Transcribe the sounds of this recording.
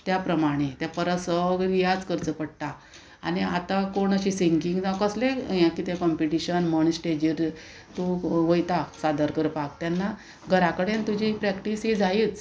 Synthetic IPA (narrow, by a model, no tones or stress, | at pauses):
t̪japɾəmaɽ̃et̪japəɾəsəɡɾijad͡zkəɾt͡səpəɽ̚ʈ̪a | a̰ñiat̪akoɳəɕisiŋkiŋɡd͡zakəslejãkit̪ẽkɔmpiʈiɕənməɳsʈed͡ʑiɾ | t̪uʋojt̪asad̪əɾkəɾpak̚t̪janːa | ɡʱəɾakəɽent̪ud͡ʑipɾɛkʈisɦid͡zait͡s